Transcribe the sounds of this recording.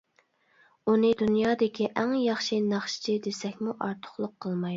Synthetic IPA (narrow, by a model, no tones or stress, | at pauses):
unɨd̪unjɑːd̪ɪkʲʰiʔæŋjɑχʃinɑχʃɪ̥t͡ʃʰid̪esɛkʲmuʔɑɾt̪ʰʊ̥χlˠʊqʰːəlˠmɑju